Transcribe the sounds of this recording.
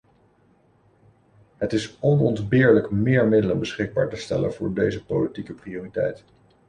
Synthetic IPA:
ɦətɪsɔnɔndbɪːɹləkmɪːɹmɪdələnbəsχɪɡ̚ba̰ːɹtəstɛ̰lə̰nvʊ̰ːɹdejzəpolitikəprioːritɛ̰jt

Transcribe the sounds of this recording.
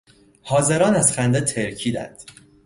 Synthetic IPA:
hɒːze̞ɾɒːnæzχænd̪et̪ʰe̞ɾcʰiːd̪æ̰nd̪̥

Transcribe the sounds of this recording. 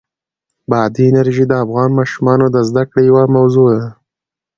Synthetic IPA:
bɑd̪iɪnaɾʒid̪əafɣɑnmɑʃumɑnod̪əzd̪akɽejawamawzod̪a

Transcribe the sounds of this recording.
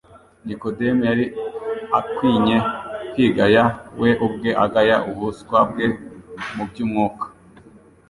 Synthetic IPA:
nikodemjaɾiakwiːɲekwiːɡajawʔeʔubɡe̞ʔaɡajaʔuhuskwab̚ɡe̞mubjuːmŋuːkḁ

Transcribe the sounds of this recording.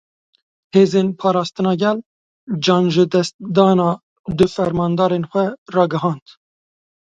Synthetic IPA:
heːzeːnpʰɑːɾɑːst̪ɨnɑːɡɛl | d͡ʒɑːnʒɨd̪ɛst̪̚d̪ɑːnɑː | d̪ɨfɛɾmɑːnd̪ɑːɾenxʷɛrɑːɡɨɦɑːnd̪

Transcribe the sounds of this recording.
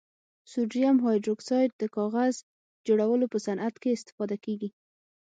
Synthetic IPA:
suɖɾijamɦɑjdɾoksɑjʈ̚d̪əkɑɣaz | d͡ʒoɽawəlopəsanʔat̪keɪst̪ɪ̥fɑd̪akeɡi

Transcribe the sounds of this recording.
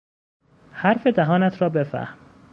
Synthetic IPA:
hæɾfed̪æɦɒːnæt̪ʰɾɒːbe̞fæ̰hm

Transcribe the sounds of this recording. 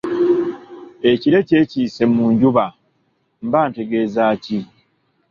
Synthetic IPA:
e̞ciɾe̞ce̞ːciːse̞muːɲɟuβa | mbaːnte̞ɡe̞ːzaːci

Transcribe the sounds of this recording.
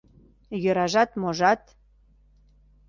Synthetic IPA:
jøɾɑʒɑt̪moʒɑt̪

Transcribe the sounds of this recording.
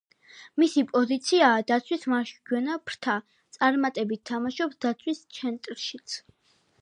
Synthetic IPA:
misipʼɔzit̪sʰiaːd̪at̪sʰwismaʃɡwɛnapʰɾt̪ʰa | t̪sʼaɾmat̪ʼɛbit̪ʰːamaʃɔpsd̪at̪sʰwist̪sʰɛnt̪ʼɾʃit̪sʰ

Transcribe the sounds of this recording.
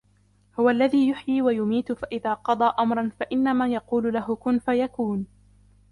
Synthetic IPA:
hʊwaʔlːaðiːjʊħjiːwajʊmiːt̪ʊfaʔɪðaːqɑd̪ˤɑːʔamɾˤɑnfaʔɪnːamaːjɑquːlʊlaɦʊkʊnfajakuːn

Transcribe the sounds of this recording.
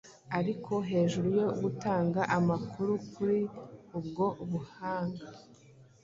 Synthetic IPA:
aɾikʰo̞ɦe̞ːʒuɾujo̞ɡutaːŋɡaʔamakʰuɾukʰuɾiubɡo̞βuhaːŋɡa

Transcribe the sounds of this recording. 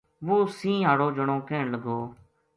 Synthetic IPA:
ʋoːsĩːɦaːɽoːd͡ʒəɽ̃õːkeːɳləɡoː

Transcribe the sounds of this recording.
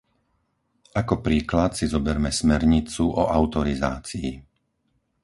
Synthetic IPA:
akɔpɾiːklat̪sizɔbɛɾmɛsmɛɾɲit͡suʔɔʔaʊt̪ɔɾiza̰ːt͡siː

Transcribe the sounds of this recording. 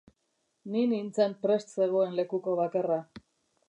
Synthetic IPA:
ninint͡sampɾe̞st̪se̞ɣ̞o̞e̞nle̞kuko̞βakara

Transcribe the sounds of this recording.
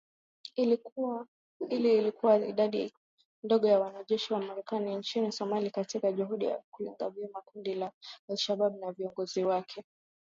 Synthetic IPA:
iliːlikuwaḭɗaɗi | ndɔɠɔjawanaʄɛʃiwamaɾɛkanint͡ʃinisɔmalikatikaʄuɦuɗija̰kuliŋɡa̰vjɛmakundilaalʃaɓaɓunaviɔŋɡɔziwakʰɛ

